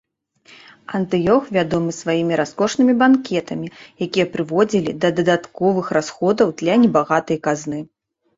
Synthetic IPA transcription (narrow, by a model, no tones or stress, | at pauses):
ɐnt̪ɨjɔxvʲad̪ɔmɨsvajimʲiɾaskɔʂnɨmʲibankʲɛt̪ɐmʲijakʲijɛpɾɨvɔd͡zʲilʲid̪ɐd̪ɐd̪at̪kɔvɨxrasxɔd̪ɐwd̪lʲɐnʲɛbaɣat̪ɨjɐkaznɨ